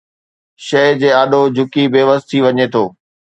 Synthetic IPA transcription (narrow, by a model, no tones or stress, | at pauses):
ʃɐd͡ʑeːaːɗʱod͡ʑʱʊkibeːʋəst̪ʰiʋɐɲet̪ʰoː